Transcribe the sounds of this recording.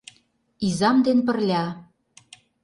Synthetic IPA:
izɑmd̪enpə̆rlʲɑ

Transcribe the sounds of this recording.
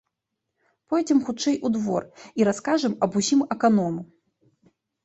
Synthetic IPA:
pɔjd͡zʲɛmxutt͡ʂɛjʔud̪vɔ̰riɾaskaʐɛmɐbusʲimɛkanɔmu

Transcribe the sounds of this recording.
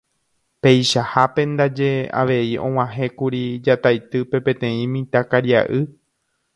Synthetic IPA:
pe̞jʃahapẽ̞nd̪ad͡ʒe̞a̰ʋe̞iõ̞̰w̃ãɦẽ̞kuɾid͡ʒat̪ajt̪ɨpe̞pẽ̞t̪ẽ̞ĩmĩt̪akaɾja̰ʔɨ

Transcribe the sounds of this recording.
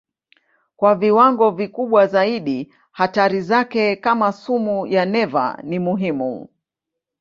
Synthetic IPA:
kwaviwaŋɡɔvikuɓwazaiɗi | hataɾizakɛkamasumujanɛva̰nimuɦimṵ

